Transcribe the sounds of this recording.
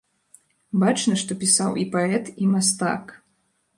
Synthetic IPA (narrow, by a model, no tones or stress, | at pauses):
bat͡ʂnɐʂt̪ɔpʲisawipaɛt̪imast̪a̰k